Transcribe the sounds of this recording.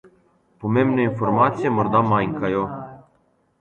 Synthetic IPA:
pumemneinformat̪sijemord̪amːajŋkajo

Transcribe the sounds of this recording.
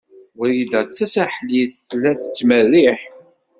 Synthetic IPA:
əɾjidət͡sːæsæħliθːlːæθə̥t͡sːməriħ

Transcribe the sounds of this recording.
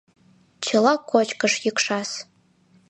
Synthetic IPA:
t͡ɕʰɤ̆lˠɑkːot͡ɕkɤ̆ʃjəkʂɑs

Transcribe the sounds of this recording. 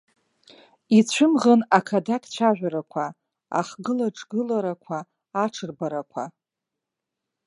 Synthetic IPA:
it͡ɕʷʰʊmʁanakʰadakʰt͡ɕʷʰaʒᶣʷaɾakʷʰa | a̰χɡɨlaʈ͡ʂʼɡɨlaɾakʷʰaː | ʈ͡ʂʰɨrbaɾakʷʰa

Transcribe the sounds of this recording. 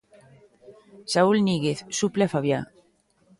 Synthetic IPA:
saulniɣeθsupleafaβja

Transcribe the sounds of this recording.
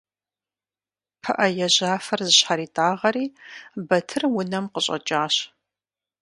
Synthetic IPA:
pʰɐʔɐjɛʑaːfɐrzɨɕħaɾiːtʼaːʁɐɾiːbɐtʰɨrwʊnɐmqəɕʼɐ̰t͡ʃʼaːɕ

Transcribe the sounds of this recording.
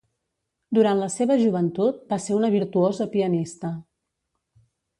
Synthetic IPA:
d̪uɾant̪ləseβəʒuβ̞ənt̪ut̪̚baseunəβ̞iɾt̪uozəpiənist̪ə

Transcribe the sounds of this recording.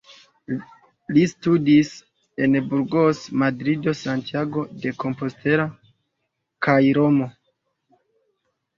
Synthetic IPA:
listudis | e̞nbuɾɡosmadɾido̞santiaɡo̞de̞ko̞mpo̞ste̞ɾa | kajɾo̞mo̞

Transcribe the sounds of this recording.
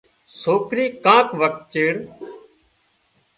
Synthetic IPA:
soːkɾiːkãːkʋək̚t͡ʃəːɽ

